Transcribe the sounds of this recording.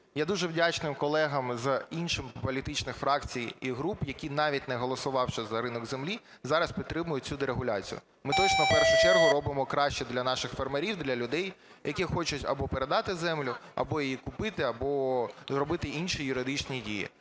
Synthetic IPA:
jad̪uʒɛwdʲat͡ʃnɪmkɔlˠɛɦɐmzɐinʃɪmpɔlʲit̪ɪt͡ʃnɪxfɾɑkt͡sʲijiɦɾupjɐkʲinɑʋʲitʲnɛɦɔlˠɔsʊʋɑwʃɛzɐɾɪnɔɡzemlʲi | zɑɾɐspʲit̪t̪ːɾɪmʊjʊt͡sʲud̪eɾeɦʊlʲat͡sʲḭjʊ̰ | mɪt̪ɔt͡ʃnɔwpɛrʃʊt͡ʃɛrɦʊɾɔbɪmɔkɾɑʃt͡ʃɛd̪lʲɐnɑʃɪxfermeɾʲiwd̪lʲɐlʲʊd̪ɛj | jɐkʲixɔt͡ʃʊtʲɐ̰bɔpeɾed̪ɑt̪ɪzɛmlʲʊɐ̰bɔjijikʊpɪt̪ɪɐbɔzrɔbɪt̪ɪʔinʃijʊɾɪd̪ɪt͡ʃnʲidʲijḭ

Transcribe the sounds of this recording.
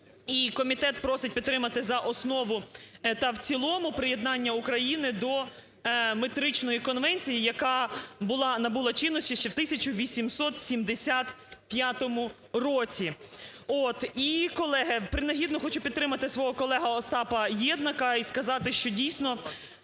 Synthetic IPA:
ikɔmʲit̪ɛt̪pɾɔsɪt̚ʲpʲid̪t̪ːɾɪmɐt̪ɪzɐʔɔsnɔʋʊt̪ɐwt͡sʲilˠɔmʊpɾɪjed̪nɑnʲːɐukɾɐjinɪd̪ɔ | met̪ɾɪt͡ʃnɔjikɔnʋɛnʲt͡sʲijijɐkɑbʊlˠɑnɐbulˠɐt͡ʃɪnːɔsʲt͡ʃʲiʃt͡ʃɛwt̪ɪsʲɐt͡ʃʊʋʲisʲimsɔt̪sʲimd̪esʲat̪ | pʲjat̪ɔmʊ | rɔt͡sʲiot̪ikɔlˠɛɦepɾɪnɐɦʲid̪nɔxɔt͡ʃupʲid̪̚t̪ɾɪmɐt̪ɪsʋɔɦɔkɔlˠɛɦɐɔst̪ɑpɐjɛd̪nɐkɐiskɐzɑt̪ɪʃt͡ʃɔdʲijsʲnɔ

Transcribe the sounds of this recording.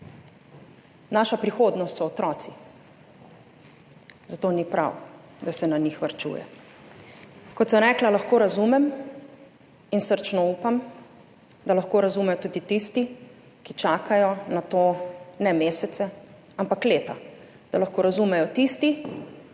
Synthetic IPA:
naʃapɾixoːd̪nɔst̪sɔːt̪ɾɔːt̪si | zat̪oːnipɾa̰w | d̪asɛnanixʋaɾt͡ʃṵːjɛ̰ | kɔt̪sɔmɾɛːklalaxkoːɾazumɛm | insəɾt͡ʃnɔupam | d̪alaxkoːɾazumɛjɔt̪uːd̪it̪ist̪i | kit͡ʃaːkʰajɔnat̪onɛmeːsɛt̪sɛ | ampakleːt̪a | d̪̥alaxkoːɾazumɛjɔt̪ist̪i

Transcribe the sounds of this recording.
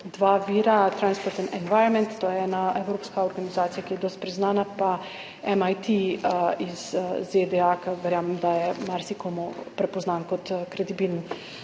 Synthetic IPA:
d̪ʋaʋiːɾat̪ɾanspɔɾt̪inɛnʋajɾɔnmɛ̃nt̪ːoːjɛɛːnaewɾoːpskaɔɾɡanizaːt̪sijakijɛd̪ɔːst̪̚pɾiznaːnapa | ɛmajt̪iiz̥zed̪ɛakaʋɛɾjaːmɛmd̪ajɛmaɾsikɔmɔpɾɛpɔznankɔt̪ːkɾɛd̪ibiln

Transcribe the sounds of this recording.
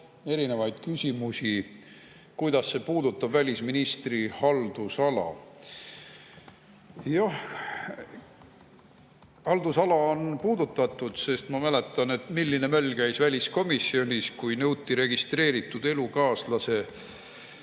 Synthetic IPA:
e̞ɾine̞vɑjd̪̥kysʲimusʲi | kujd̪̥ɑsːe̞puːd̪ut̪ːˑɑbvælʲisminist̪rihɑld̪̥usɑlɑ̰ | jɑh | hɑld̪usɑlɑonpuːd̪ut̪ːˑɑt̪ːˑud̪̥se̞st̪mɑmæle̞t̪ːˑɑne̞t̪milːine̞mælʲːkæjsvælʲisko̞misːio̞nʲiskujnɤwt̪ːiɾe̞ɡ̥ist̪re̞ːɾit̪ːˑud̪e̞lukɑːslɑse̞

